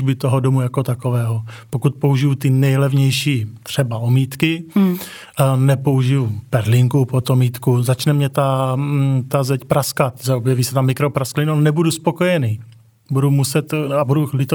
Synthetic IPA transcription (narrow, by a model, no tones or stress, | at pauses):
bɪt̪oɦodomujako̞t̪akovɛːɦopokut̪̚pouʒɪjut̪ɪnɛjlɛvɲɛjʃiːt̪r̝̥ɛbaomiːt̪kɪ | nɛpo̞uʒɪjupɛɾlɪŋkupot̪omiːt̪kuzat͡ʃnɛmɲɛt̪a | t̪azɛcpɾaskat̪zaobjɛviːsɛt̪amɪkɾopɾasklɪnonɛbuduspo̞kojɛniː | budumusɛt̪abudulɪt̪